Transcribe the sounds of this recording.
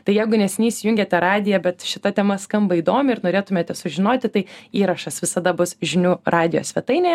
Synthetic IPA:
t̪ɐɪjɛɪɡʊnʲɛsʲɪnʲiːsʲɪjʊŋʲɡʲeːt̪ʲɛɾɑːd̪ʲɪjɛbʲɛt̪ʃʲɪt̪ɐt̪ʲɛmɐskɐmbɐiːd̪oːmʲɪɪɾnoːɾʲeːt̪ʊmʲeːt̪ʲɛsʊʒʲɪnoːt̪ʲɪt̪ɐɪiːɾɐʃɐsʋʲɪsɐd̪ɐbʊsʒʲɪnʲuːrʔɑːd̪ʲɪjo̰ːsʲʋʲɛt̪ɐɪnʲe

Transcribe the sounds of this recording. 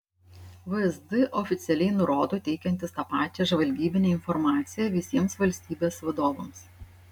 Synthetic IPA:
ʋɨɛzʲd̪ɪʔɔfʲɪt̪sʲɛlʲɛɪnʊɾoːd̪oːt̪ʲɛɪkʲɛnʲt̪ʲɪst̪ɑpɑːt͡ʃʲɛːʒʋɐlʲɡʲiːbʲɪnʲɛːɪnfɔɾmɑːt̪sʲɪjɛʋʲɪsʲiɛmsʋɐlʲsʲt̪ʲiːbʲeːsʋɐd̪oːʋɐms

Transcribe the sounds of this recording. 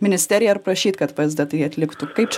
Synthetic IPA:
mʲɪnʲɪsʲt̪ʲæːɾʲɪjɛɐɾpɾɐʃʲiːt̪kɐt̪pɐzsʲd̪ʲɐt̪ɐɪɐt̪ʲlʲɪkt̪ukɐɪp̚t͡ʃʲ

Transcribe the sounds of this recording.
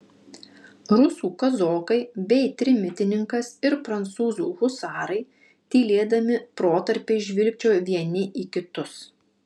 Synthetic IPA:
ɾʊsuːkɐzoːkɐɪbʲɛɪt̪ʲɾʲɪmʲɪt̪ʲɪnʲɪŋkɐsɪɾpɾɐnt̪suːzuːɣʊsɑːɾɐɪ | t̪ʲiːlʲeːd̪ɐmʲɪpɾoːt̪ɐɾʲpʲeːʒʲʋʲɪlʲk̚ʲt͡ʃʲoːʋʲiɛnʲɪʔiːkʲɪt̪ʊs

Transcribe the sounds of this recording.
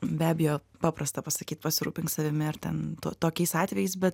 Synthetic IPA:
bʲæːbʲɪjoːpɑːpɾɐst̪ɐpɐsɐkʲiːt̪pɐsʲɪɾuːpʲɪŋksɐʋʲɪmʲɪɐɾt̪ʲɛnt̪oːt̪oːkʲɛɪsɑːt̪ʲʋʲɛjɛɪs̬bʲɛt̪

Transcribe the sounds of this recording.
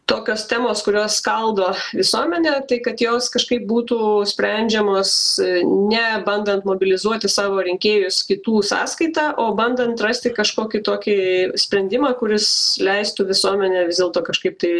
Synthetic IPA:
t̪oːkʲoːst̪ʲæːmoːskʊɾʲoːskɐlˠd̪oːʋʲɪsuɔmʲɛnʲɛːt̪ɐɪkɐt̪joːskɐʃkɐɪp̚buːt̪usʲpʲɾʲɛnʲd͡ʒʲɛmoːsnʲɛbɐnd̪ɐnt̪moːbʲɪlʲɪzuɔt̪ʲɪsɑːʋoːɾʲɪŋʲkʲeːjʊskʲɪt̪uːsɑ̰ːskɐɪt̪ɑːʔoːbɐnd̪ɐnt̪rɐsʲt̪ʲɪkɐʃkoːkʲɪt̪oːkʲɪsʲpʲɾʲɛnʲd̪ʲɪmɑːkʊɾʲɪslʲɛɪst̪uːʋʲɪsuɔmʲɛnʲɛʋʲɪzd̪ʲeɛlˠt̪oːkɐʃkɐɪp̚t̪ɐɪ

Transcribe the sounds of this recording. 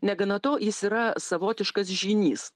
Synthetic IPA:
nʲɛɡɐnɐt̪oːjɪsiːɾɐsɐʋoːt̪ʲɪʃkɐs̬ʒʲiːnʲiːs

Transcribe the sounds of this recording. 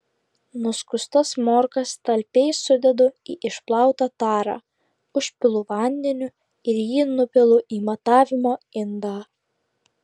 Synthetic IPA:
nʊskʊst̪ɐsmoːɾkɐst̪ɐlʲpʲɛɪsʊd̪ʲɛd̪ʊiːʔɪʃplˠɑˑʊt̪ɑt̪ɑːɾɑ̰ː | ʊʃʲpʲɪlˠʊʋɐnʲd̪ʲɛnʲʊ | ɪɾjiːnʊpʲɛlˠʊʔiːmɐt̪ɑːʋʲɪmoːɪnd̪ɑː

